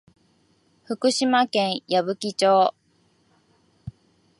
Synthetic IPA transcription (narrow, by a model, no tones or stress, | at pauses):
ɸɯ̟kɯ̟ɕimakẽɰ̃jabɯ̟kʲit͡ɕoː